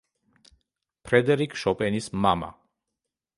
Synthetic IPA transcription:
pʰɾɛd̪ɛɾikʰʼʃɔpʼɛnismama̰

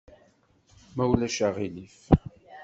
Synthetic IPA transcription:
mæwlæʃaʁilif

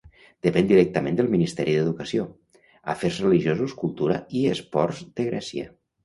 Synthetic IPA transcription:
d̪̥əpɛnd̪iɾɛk̚t̪əmend̪əlˠminist̪ɛɾiðəðukəsio | a̰feɾzrəliʒiozuskulˠt̪uɾəiəspɔɾzd̪əɣɾɛsjə̰

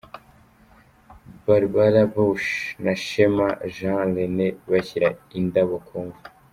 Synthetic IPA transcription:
baɾbaɾabuʃnaʃemaʒãleneβaçiɾaindaβokʰoŋɡu

